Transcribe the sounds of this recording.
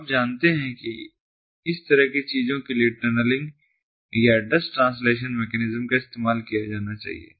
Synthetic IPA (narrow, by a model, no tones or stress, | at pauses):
aːp̚d͡ʒaːnt̪eɦɛ̃ki | ɪst̪ɐɾəɦkit͡ʃiːzõkelieʈəɾnəlɪ̃ŋɡ | jaɖɐsʈʈɾãːnsleːʃ̬ənmeːkɛːnɪzəmkaɪst̪eːmaːlkijad͡ʒaːnat͡ʃa̰ːɦḭḛː